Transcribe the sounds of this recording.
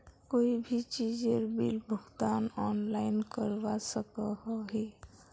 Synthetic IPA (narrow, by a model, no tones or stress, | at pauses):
koibʱit͡ʃid͡ʒeɾbilbʱəɡt̪anɔnlaɪnkəɾbasəkəɦɔɦi